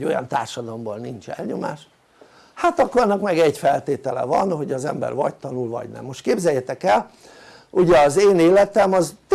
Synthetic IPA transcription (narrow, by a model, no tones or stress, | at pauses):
o̞jɒ̰nt̪aːrʃɒd̪ɒlomboːlnint͡ʃɛ̰lɲo̞ma̰ːʃ | hat̪ɒkːoɾɒnːɒkmɛɡɛɟfɛlt̪eːt̪ɛlɛ̰vɒ̰nho̞ɟɒzɛmbɛ̰rvɒ̰ct̪ɒnulvɒ̰ɟnɛ̰mːo̞ʃt̪̚keːbzɛjɛt̪ɛkɛl | uɟɛɒzeːneːlɛt̪ɛmɒzt̪